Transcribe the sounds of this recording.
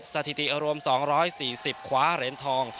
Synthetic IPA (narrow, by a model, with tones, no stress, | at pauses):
p̚sa˧t̪ʰi˨˩t̪i˨˩ʔɾu˧əmsɔː˩˦ŋɾɔː˦˥jsiː˨˩si˨˩p̚kʰwaː˦˥ɾe˩˦nt̪ʰɔː˧ŋ